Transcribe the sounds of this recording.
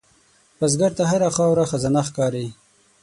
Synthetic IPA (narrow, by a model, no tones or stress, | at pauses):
paz̬ɡaɾt̪aɦaɾaxɑwɾaxazanaxkɑːɾi